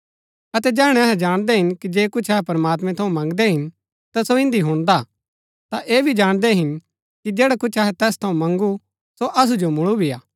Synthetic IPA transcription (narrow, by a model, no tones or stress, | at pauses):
ɐt̪ɛd͡ʒɛːɦɽ̃ɛ̃ɐɦɛ̃d͡ʒaːɽ̃d̪ɛɦɪnkid͡ʒeːkʊt͡ʃʰɐɦɛpɐɾmaːt̪mɛ̃t̪ʰɐũmɐ̃ŋɡd̪ɛɦɪn | t̪asoɪ̃nd̪iɦʊɽ̃d̪a | t̪aʔeːbʱid͡ʒaːɽ̃d̪ɛɦɪn | kid͡ʒeːɽakʊt͡ʃʰɐɦɛt̪ɛːst̪ʰɐũmɐ̃ŋɡu | soʔɐs̬ud͡ʒomʊɭubʱijaː